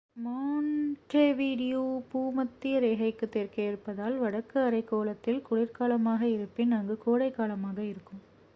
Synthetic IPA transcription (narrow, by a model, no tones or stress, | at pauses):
maːnʈreːʋiːɽɪjoːpuːmɐt̪ːɪjɐɾeːɣɐɪkːɯt̪ːeːɾkeːɪɾpːɐðaːlʋɐɽɐkːɯɐɾɐɪkːoːlɐt̪ːɪlkʊɽɪɾkaːlɐmaːɣɐɪɾɯpːenaːŋɡɯkoːɽɐɪkːaːlɐmaːɣɐɪɾɯkːɯm